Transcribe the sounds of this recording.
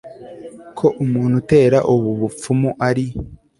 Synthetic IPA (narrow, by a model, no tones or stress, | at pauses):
kʰo̞ʔumuːnhute̞ːɾaʔuβuβup͡fumuʔaɾi